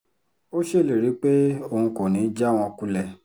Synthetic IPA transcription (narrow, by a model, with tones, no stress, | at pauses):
o˦ʃe˦˨le˨ɾi˨˦k͡pe˦o˧˨hũ˧kɔ̃˨nĩ˨˦d͡ʒa˦˨w̃ɔ̃˧ku˧lɛ˨